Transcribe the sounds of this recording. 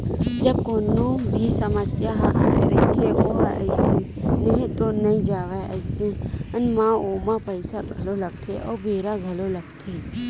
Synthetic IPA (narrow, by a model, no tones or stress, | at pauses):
d͡ʒɐb̚koːnobʱisəməsjaɦa̰ḛɾḛt̪ʰeʋoə̰ːsinəɦĩt̪onɐĩd͡ʒaːʋeʔəɪseənmãoːmãpəɪsaɡʱɐloləɡ̚t̪ʰeʔɔ̰ːbʱeːɾaɡʱɐlolɐɡ̚t̪ʰe